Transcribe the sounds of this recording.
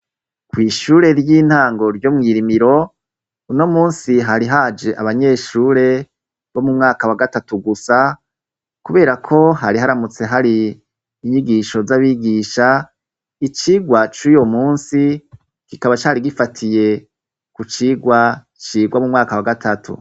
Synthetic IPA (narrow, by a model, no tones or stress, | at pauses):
kwiːʃuːɾe̞ɾjiːn̥haːŋɡo̞ɾjo̞mŋiːɾimiɾo̞ | uno̞muːnsiɦaɾiɦaːd͡ʒe̞ʔaβaɲe̞ːʃuːɾe̞ | βo̞mumŋaːkawaɡatatuɡusa | kuβe̞ːɾakʰo̞ɦaɾiɦaɾamut͡se̞ɦaɾiː | ɲiɡiʃo̞zaβiɡiːʃa | it͡ʃiːɡwat͡ʃujo̞muːnsi | kikaβat͡ʃaːɾiɡifatʰije̞ | kut͡ʃiːɡwa | t͡ʃiːɡwamumŋaːkawaɡatʰatʰṵ